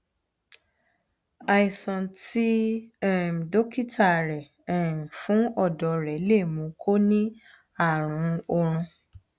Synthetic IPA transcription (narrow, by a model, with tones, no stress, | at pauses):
a˧i˨sɔ̃˨ti˦ɛ˦˨m˨do˦ki˦tʰa˦˨ɾɛ˨ | ɛ˨fũ˨˦ɔ˦˨dɔ˨˦ɾɛ˨˦le˦˨mũ˨˧˦kʰo˦nĩ˦ | a˦˨ɾ̃ũ˨˦ɔ˧ɾ̃ũ˧